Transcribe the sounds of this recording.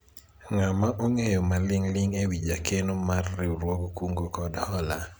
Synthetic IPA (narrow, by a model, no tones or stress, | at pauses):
ŋamaʔoŋejɔmalɪŋlɪŋewid͡ʒakenomarːiɾwɔkkuŋɡokɔdhɔla